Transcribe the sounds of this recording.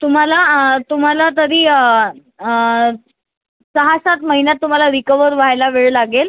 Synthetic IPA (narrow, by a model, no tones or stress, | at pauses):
t̪um̤alat̪um̤alat̪̬əɾiː | səɦasat̪məɦinjat̪ːum̤alaɾikəʋəɾʋ̤ajlaʋeɭlaɡel